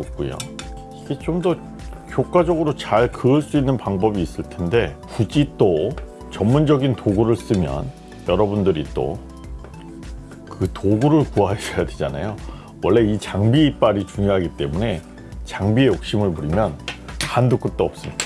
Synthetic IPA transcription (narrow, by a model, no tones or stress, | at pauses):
op̚k͈ujo̰ | iɡet͡ɕomdʌ | kjok͈ad͡ʑʌɡɯɾot͡ɕaɭkɯɯɭs͈uinːɯnpaŋbʌbiːs͈ɯɭtʰe̞nde̞kud͡ʑit͈o | t͡ɕʌmːund͡ʑʌɡintoɡuɾɯɭs͈ɯmjʌ̰n | jʌɾʌbundɯɾit͈o̰ | kɯtoɡuɾɯɭkuɦasʌjadwed͡ʑana̰jo | wʌɭːe̞it͡ɕaŋbiːp͈aɾit͡ɕuŋjoɦaɡit͈e̞mune̞ | t͡ɕaŋbie̞jok̚ɕ͈imɯɭmuɾimjʌnxanduk͈ɯt͈ʌʌp̚s͈ɯmɲid̥ḁ